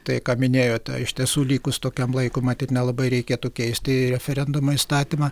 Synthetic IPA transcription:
t̪ɐɪkɑːmʲɪnʲeːjoːt̪ʲɛ̰ɪʃʲt̪ʲiɛsuːlʲiːkʊst̪oːkʲɛmlˠɐɪkomɑt̪ʲɪnʲɛlˠɐbɐɪɾʲɛɪkʲeːt̪uːkʲɛɪsʲt̪ʲɪɾʲɛfʲɛɾʲɛnd̪ʊmɐːist̪ɑːt̪ʲimɑ

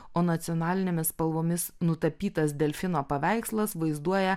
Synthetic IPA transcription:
oːnɐt̪sʲiɔːnɑːlʲɪnʲeːmʲɪspɐlˠʋoːmʲɪsnʊt̪ɐpʲiːt̪ɐsd̪ʲɛlʲfʲɪnoːpɐʋʲæˑɪkslˠɐsʋɐɪzd̪uɔjɛ

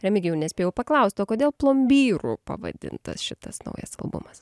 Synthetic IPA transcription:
ɾʲɛmʲɪɡʲjɛʊnʲɛsʲpʲeːjɛʊpɐklˠɐʊst̪oːkoːd̪ʲeːlˠplˠoːmʲbʲiːɾupɐ̰ʋɐ̰d̪ʲɪ̰nt̪ɐsʃʲɪt̪ɐsnɐ̰ʊjɐ̰sɐlˠbʊ̰mɐs

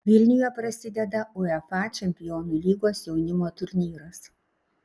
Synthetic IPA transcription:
ʋʲɪlʲnʲʊjɛpɾɐsʲɪd̪ʲɛd̪ɐʊɛfɑt͡ʃʲɛmʲpʲɪjoːnuːlʲiːɡoːsjɛʊnʲɪmoːt̪ʊɾʲnʲiːɾɐs

